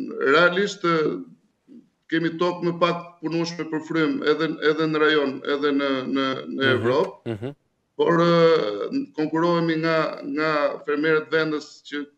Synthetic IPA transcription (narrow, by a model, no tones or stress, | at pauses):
ɾɛaliʃt̪ | kɛmit̪ɔp̚mɛpak̚əpunuʃmɛpəɾfɾymɛðɛɛðɛnəɾajɔnɛ̰ðɛnənənəɛvɾɔp̚ | pɔɾ | kɔŋkuɾɔɛmiŋɡaŋɡafɛɾmɛɾət̪vɛnd̪əscə